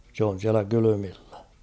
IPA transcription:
se on̞ siælæ kylymilːæ

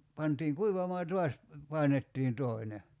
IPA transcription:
pɑntiːŋ kuiʋɑmɑː jɑ tuɑs pɑˑinetːiːn toine

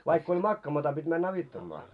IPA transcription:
ʋɑikː olʲ mɑkːɑːmɑtɑ pitʲ mænː ɑʋitːɑmːɑː

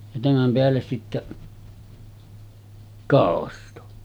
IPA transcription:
jɑ tæmæm peælːes sitːæ kɑˑosto

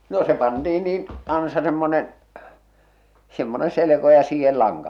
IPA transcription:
no se pɑntiː niːn ɑnsɑ semːonen semːone seleko jɑ siːhel lɑŋkɑ

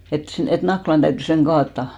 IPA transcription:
et sen tæ̆ et nɑklɑn d̥æytːy seŋ ɡ̊ɑːtːɑˑ

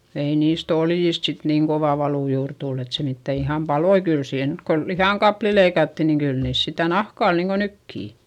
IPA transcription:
ei niːst oljist sit niːŋ koʋɑˑ ʋɑluˑ juːr tulː et se mitːæ ihɑm pɑloi kyl siːhen nyt ko lihɑˑŋkɑpli leikɑtːi niŋ kyl niːs sitæ nɑhkɑˑ ol niːŋko nykːiˑ

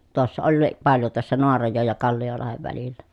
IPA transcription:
tŭosːɑ olːiː pɑljo tŭosːɑ noɑrɑjoˑej jɑ kɑlːiolɑheʋ ʋælilːæ

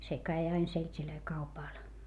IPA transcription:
se kæi ɑin seltʲiløi kɑupɑˑl

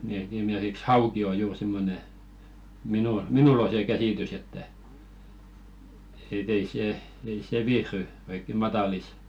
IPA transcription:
ni et esimerk̆iks hɑuki o juːr simːone minu minul o seˑ kæsiˑtys etːæ et ei seˑ ei seˑ ʋihry oikːe mɑtɑlis

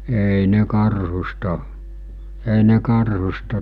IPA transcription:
eˑi ne kɑrhustɑ eˑi ne kɑrhustɑ

